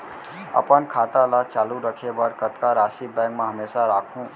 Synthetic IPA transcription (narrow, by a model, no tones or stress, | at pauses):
ə̰pənkʰat̪alat͡ʃaːluɾəkʰebəɾkət̪kaɾasibɛ̃ŋkmẽɦəmesaɾakʰũ